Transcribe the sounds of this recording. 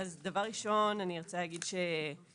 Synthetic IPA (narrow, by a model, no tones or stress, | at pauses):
azdavaʁːiʃo̞nanieʁt͡salaɡidʃe